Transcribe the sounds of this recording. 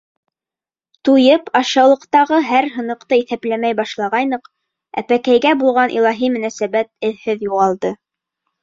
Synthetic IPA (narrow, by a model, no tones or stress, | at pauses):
t̪ujɤpɑʃɑwlˠɤ̆qt̪ɑʁɤɦæɾɦɤ̆nɤ̆qt̪ɤiθæplæmæjbɑʃlˠɑʁɑjnɤq | æ̰pækæjɡæbulˠʁɑnʔḭlˠɑɦimɵ̆næsæbæt̪̚ɘ̆ðhɘðjuʁɑlˠd̪ɤ